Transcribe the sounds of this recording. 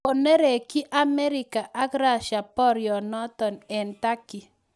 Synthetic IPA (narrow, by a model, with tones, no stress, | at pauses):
o˨ne˦ɾe˨kɪ˦ʔa˦mɛ˦ɾɪ˨ka˨ʔa˦kɾa˦˨ʃa˨pɔ˦ɾjɔ˨nɔ˦tɔ˨nɛ˨nta˦ki˨